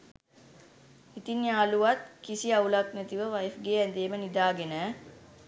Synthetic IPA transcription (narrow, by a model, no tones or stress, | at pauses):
it̪injaːluʋat̪̚kisiɐulɐknet̪iʋəʋɐjfɡeːɛnd̪eːmənid̪aːɡenɛː